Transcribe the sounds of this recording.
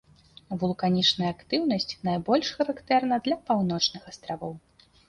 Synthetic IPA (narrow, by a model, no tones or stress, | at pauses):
vulˠkanʲit͡ʂnɐjɐːkt̪ɨwnɐsʲt͡sʲnajbɔlʲʂxɐɾakt̪ɛrn̪ɐd̪lʲɐpawnɔt͡ʂnɨxɐst̪ɾavɔw